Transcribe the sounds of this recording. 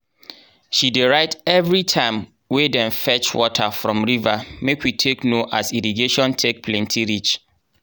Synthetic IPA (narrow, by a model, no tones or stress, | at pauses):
ʃideɹaɪtɛvɹitʰãɪ̃m | wedɛ̃nfɛt͡ʃwɔtʰafɹɔ̃mɹivamekwitʰeknoʔasiɾiɡeʃɔ̃ntʰek̚pʰlɛ̃ntʰiɹit͡ʃ